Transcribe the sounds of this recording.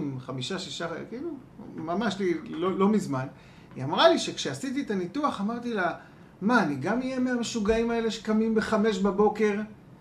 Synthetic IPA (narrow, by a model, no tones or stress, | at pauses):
mχamiʃaʃiʃakilu | mamaʃlilolo̞mizman | ḭamʁaliʃe̞kʃeasit̪iet̪anit̪uaχamaʁt̪ila | maːniɡamijemeʁaʃuɡaimae̞le̞ʃe̥kamimbe̞χame̞ʃbabo̞ke̞ʁ